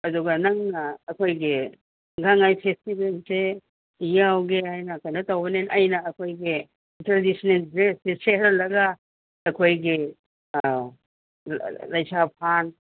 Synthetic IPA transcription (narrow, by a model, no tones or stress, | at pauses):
ɐduɡɐnɐŋnɐːkʰojɡi | ɡaŋajpʰestibelse | ijawɡeɦajnɐkɐjnɐtɐwbɐnenɐjnɐːkʰojɡi | ntɾadisnelzeseseɾɐlːɐɡɐː | kʰojɡi | lɐjsʰapʰan